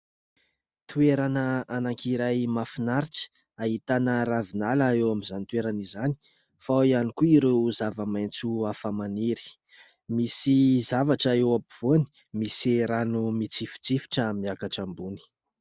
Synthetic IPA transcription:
t̪ueɾanəanaŋkiɾajmafinaɾiʈ͡ʂə̥ | aɦit̪anəɾavinalaewamizanit̪ueɾanizani̥ | faianikuiɾewzavəmajnt͡suafamaniɾi̥ | misizavaʈ͡ʂaewapiv̥oani̥ | misiɾanumit͡sifi̥t͡sifi̥ʈ͡ʂəmiakaʈ͡ʂambuni̥

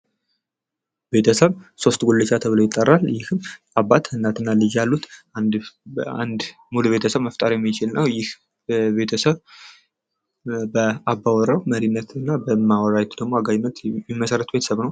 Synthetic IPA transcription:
be̞t̪ʰəsəβso̞st̪ɡolːət͡ʃːat̪ʰəβɨlojɪt̪ʼːərːaljɪhɨm | aβat̪ɨnːat̪ɨnːalɨd͡ʒjalːut̪ | a̰nd̪ | muluβe̞t̪ʰəsəβməft̪ʼaɾjɛmːit͡ʃɪlnəwjɪh | be̞t̪ʰəsəβ | bəabːawɔɾəwməɾinːət̪ɨnːabəmawɔɾajt̪d̪əɡmo̞aɡajɪnːət̪ːimːəsəɾət̪be̞t̪ʰə̥səβnəw

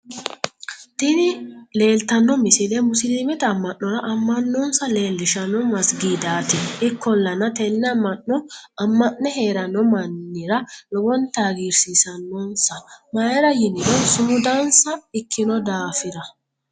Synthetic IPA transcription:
t̪ɪnɪle̞ːlt̪ɐnːɔmɪsɪd̪ɛmʊsɪliːmɛt̪ɐːmːɐnːɔɾɐʔɐmːɐnːɔnsɐle̞ːlːɪʃɐnɔmɐsɡiːd̪aːt̪ɪnɪkːɔlːɐnɐt̪ɛnːɐmːɐnːɔɐmːɐnnːɛɦe̞ːɾɐnːɔmɐnːɪɾɐlɔwɔnt̪aːɡiːɾsisɐnːɔːnsɐmajɛɾɐjɪnɪnɔsʊmʊd̪ansɐɪkʰːɪnɔd̪aːfɪɾɐ

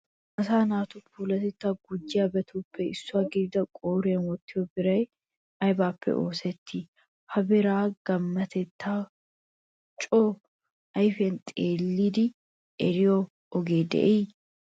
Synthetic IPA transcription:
ʔɐsaːnaːt̪ʊpuːlɐt̪ɛt̪ːaːɡʊd͡ʒːɪabɛt̪ʰuːpːɛɪsːʊaːɡɪdɪd̪ɐkʼoːɾeːnwɔt̪ːɪjɔbɪɾɐj | ʔɐjbaːpʰːɛ̰ʔo̞ːsɛt̪ʰːi | hɐbɪɾaːɡ̥ɐmːɐt̪ʰɛt̪ːaː | t͡ʃʼoː | ʔɐjfɛnt̪ʼeːlːiːd̪ɪ | ʔɛɾɪjo | ʔɔɡeːd̪ɛ̰ʔej

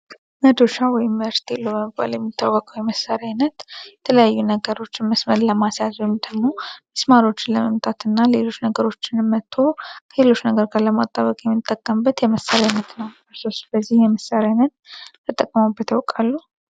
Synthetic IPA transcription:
məd̪oʃawɔjɪmvəɾst̪ʰiləəməba̰ljɛmːit̪ʰːəwwəkʼəwjɛməsaɾanət̪jɛt̪ʰələjajːunəɡəɾo̞t͡ʃːɪnməsməɾləmasjazmd̪əɡmo̞məsmaɾo̞t͡ʃːɪnləməmt̪ʼʰat̪ʰɨnːalelo̞t͡ʃːnəɡəɾo̞t͡ʃːɪnmːət̪ʰːo̞kʰəlelo̞t͡ʃːnəɡəɾɡaɾləma̰t̪ʼːaβəkʼjɛmːɨt̪ʼːəkʼːəmbːət̪jɛməsːaɾanət̪nəwɨɾsosbəzːihjɛməsːaɾanət̪̚t̪ʰɨt̪ʼəkʼːəmabət̪ʰəwkʼalːu

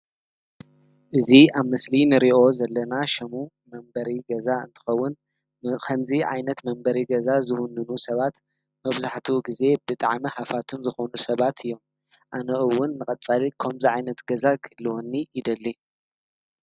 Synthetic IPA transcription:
ʔɨziaβmɨslinɨɾiʔo̞zɐlːɐnaʃɐmu | mɐmbɐɾiɡɐzaɨ̰nt̪ʰɨ̥xɐwːʊn | kʰɐmziʕa̰jnɐt̪mɐmbɐɾiɡɐzazɨwʊnːɨnusɐβat̪ | mɐβzaħt̪ʰiɡize̞bɨt̪ʼaʕmɐhafat̪ʰɨnzɨxonusɐβat̪ʰɨjːo̞m | ʔanɐʔɨwːʊnːɨkʼɐt͡sʼalikʰɐmziʕajnɐt̪ɡɐzakʰɨlːɨwonːiɪd̪ɐlːi

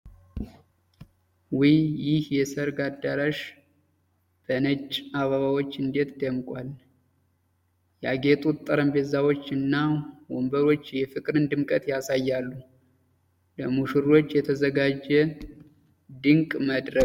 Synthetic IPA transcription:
wijjɪhjɛsəɾɡad̪ːaɾaʃ | b̥ənət͡ʃʼːaβaβawot͡ʃːɨnd̪e̞t̪d̪əmkʼwal | jaɡe̞t̪ʼut̪ʼːəɾəmbezawo̞t͡ʃːɨnːawombəɾo̞t͡ʃːjɛfɨkʼɾɨnd̪ɨmkʼət̪jasajːalːu | ləmuʃɨɾo̞t͡ʃːjɛt̪ʰəzəɡad͡ʒːɛ | d̪ɨŋkʼməd̪ɾə

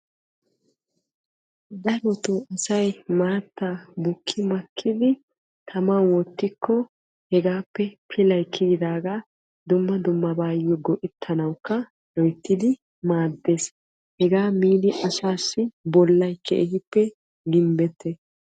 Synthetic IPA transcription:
d̪ɐɾɔt̪uɐsɐjmaːt̪ːabʊkʰːɪmɐkʰːɪd̪ɪ | t̪ʰɐmɐwɔt̪ːɪkʰːɔ | hɛɡaːpːɛpʰɪlɐjkʰːɪɡɪd̪aːɡaː | d̪ʊmːɐd̪ʊmːɐbaːjɔɡɔʔɪt̪ʰːɐnɐwkːɐ | lɔjt̪ːɪd̪ɪ | maːd̪ːe̞ːs | hɛɡaːmiːd̪ɪʔɐsaːsːɪbɔlːɐjkʰːɛ̰ʔɪhɪpːɛ | ɡɪmbɛt̪ʰːɛ

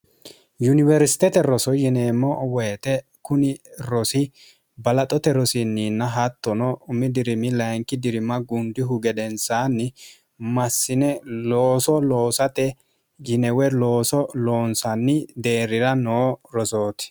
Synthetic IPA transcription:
jʊnɪvɛɾsɪ̥t̪ɛt̪ɛɾɔsɔjɪneːmːɔwɔjɛt̪ɛ | kʊnɪɾɔsɪ | bɐlɐt̪ʼɔt̪ɛɾɔsɪnːiːnːɐɦɐt̪ːɔnɔʊmɪd̪ɪɾɪmɪlɐjŋkɪd̪ɪɾɪmɐɡʊnd̪ɪɦʊɡɛd̪ɛnsaːnːɪ | mɐsːɪnɛloːsɔlo̞ːsɐt̪ɛ | jɪnɛwɛlo̞ːsɔlo̞ːnsɐnːɪd̪e̞ːɾɪɾɐnoːɾɔsoːt̪ɪ̥

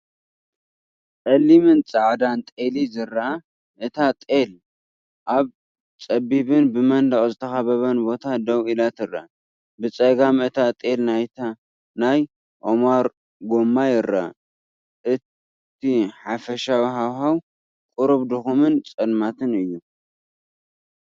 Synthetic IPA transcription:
tʼɐlːimɨnt͡sʼaʕd̪ant̪ʼelizɨra | ʔɨt̪ʰat̪ʼel | ʔaβ | t͡sʼɐbiβɨnbɨmɐnd̪ɐχʼzɨt̪ʰɐxɐβɐβɐnbo̞t̪ʰad̪ɐwilat̪ɨrːa̰ | bɨt͡sʼɐɡamɨt̪ʰat̪ʼelnajt̪ʰa | naj | ʔomaɾ | ɡo̞mːajɪɾa̰ | ʔɨt | t̪ʰiħafɐʃawɦawɦaw | kʼʊɾɨβd̪ɨxumɨnt͡sʼɐlmat̪ʰɨnɨjːu

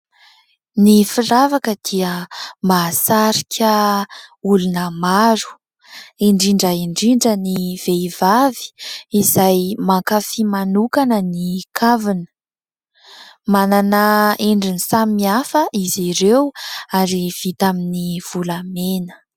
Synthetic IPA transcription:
nifiravakəd̪̥iəmasaɾikʲʰə | ulunəmaɾu̥ | eɳɖ͡ʐiɳɖ͡ʐəiɳɖ͡ʐiɳɖ͡ʐəniv̥eivavi̥izajmakafimanukanənikʰavinə̥ | mananəeɳɖ͡ʐinisamiafəʔiziɾewaɾiv̥it̪aminiv̥ulamenə̥

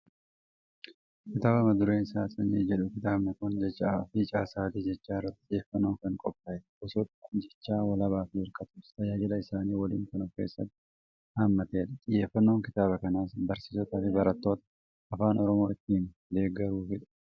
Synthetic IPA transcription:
kɪt̪aːbɐmɐd̪ʊɾeːɪsaːsɐneːd͡ʒɛᶑʊkɪt̪aːbnɐkʊnd͡ʒɛt͡ʃːaaɐfit͡ʃʼaːsaːt̪iːd͡ʒɛt͡ʃːaːɪrːɐt̪ːɪ̥ɪjeːfːɐnːo̞ːkɐŋkʼɔpːɐɛʔɔsɔt̪d͡ʒɛt͡ʃːaːwɐlɐβaːfɪɪɾkʼɐt̪ʊːst̪ɐjɐlɐɪsaːniːwɐlḭːŋkɐnʊke̞ːsːɐt̪ːɪ̥ | haːmːɐt̪e̞ːᶑɐt̪ʼɪjːe̞ːfːɐnːo̞ːŋkɪt̪aːβɐkɐnaːsbɐɾsiːsɔt̪ɐːfɪbɐɾɐt̪ːo̞ːt̪ɐ | ɐfaːnʔɔɾɔmo̞ːɪt̪ːiːn | d̪e̞ːɡɐɾuːfɪᶑɐ̥

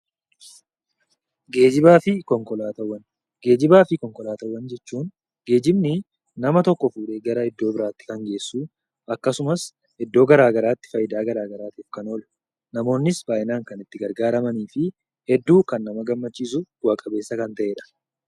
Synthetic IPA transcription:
ɡe̞ːd͡ʒɪbaːfɪkɔŋkʼɔlaːt̪ɐwːɐn | ɡ̥e̞ːd͡ʒɪbaːfɪkɔŋkʼɔlaːt̪ɐwːɐnd͡ʒɛt͡ʃːuːn | ɡ̥e̞ːd͡ʒɪbnɪ | nɐmɐt̪ɔkːɔfuːᶑe̞ːɡɐɾɐɛd̪ːo̞ːbɪɾaːt̪ːɪ̥kɐŋɡe̞ːsːuː | ɐkːɐsʊmɐs | hɛd̪ːo̞ːɡɐɾaːɡɐɾaːt̪ːɪ̥fɐjɪd̪aːɡɐɾaːɡɐɾaːt̪iːfkɐnoːl | nɐmo̞ːnːɪsbaːjɪnaːŋkɐnɪt̪ːɪɡɐɾɡaːɾɐmɐniːfɪ | hɛd̪ːuːkɐnːɐmɐɡɐmːɐt͡ʃːiːsʊɡ̥ʊwɐkʼɐbe̞ːsːɐkɐnt̪ɐʔeːᶑɐ̥

